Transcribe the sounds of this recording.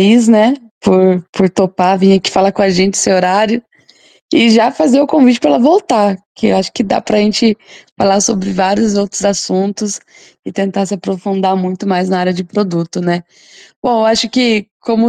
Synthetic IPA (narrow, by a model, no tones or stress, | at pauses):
iznɛ | pʊɾpʊɾt̪opavĩɲɐkɪ̥falakõaʒẽnt͡ʃɪ̥seoɾaɾjʊ | ɪʒafazeʊkõvit͡ʃɪ̥pɾɐɛlɐvowt̪akɪ̰aʃʊ̥kɪd̪a̰pɾɐʒẽnt͡ʃɪfalasobɾɪvaɾjʊzowt̪ɾʊzasũnt̪ʊs | ɪt̪ẽnt̪aɾsɪapɾofũnd̪aɾmũj̃t̪ʊmajznaaɾjɐd͡ʒɪpɾod̪ut̪ʊnɛ | b̥õewaʃʊkɪkõmʊ